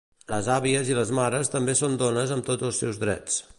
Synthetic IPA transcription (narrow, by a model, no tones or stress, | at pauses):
ləzaβiəziləzmaɾəst̪əmbesond̪onəzəmt̪od͡zəlˠsɛwzðɾɛ̰t͡s